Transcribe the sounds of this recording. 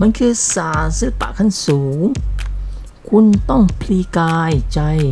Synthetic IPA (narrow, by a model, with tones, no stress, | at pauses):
ma˧˥nkʰɯː˧saː˩˦nsɯː˦˥˩pa̰˨˩ʔkʰa˧˥˩nsuː˩˦ŋ | kʰu˧nt̪ɔ˥˩ŋpʰliː˧kaː˧jt͡ɕa˧j